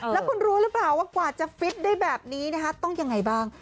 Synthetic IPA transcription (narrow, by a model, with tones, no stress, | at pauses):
llɛ˦˥kʰu˧nɾuː˦˥ɾɯ˦˥plaː˨˩wːaː˥˩kwaː˨˩t͡ɕa˨˩fi˦˥t̪̚daː˥˩jbɛː˨˩p̚niː˦˥na˦˥kʰa˦˥t̪ɔ˥˩ŋja˧ŋːa˧jbaː˥˩ŋ